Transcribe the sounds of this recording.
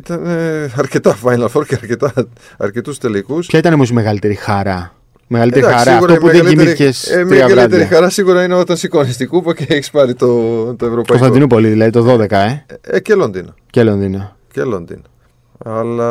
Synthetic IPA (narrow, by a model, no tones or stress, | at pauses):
it̪ɐneɐɾcet̪ɐfɐjnɐlfoɾceɐɾce̞t̪ɐ | ɐɾcet̪ust̪elikuspçɐit̪ɐnemusme̞ɣɐlit̪e̞ɾixɐɾɐ | me̞ɣɐlit̪eɾxɐɾɐfuopuðeɲimiθicesemiɐlɣit̪eɾixɐɾɐsiɣuɾɐineot̪ɐnsikonist̪ikupɐceeçi̥spɐɾit̪ot̪oevɾopɐɐiotɐinupo̞liðilɐðit̪o̞ðo̞ðe̞kɐeecelond̪inɐ | celo̞nd̪inɐ | celo̰nd̪ḭnɐ | ɐlɐ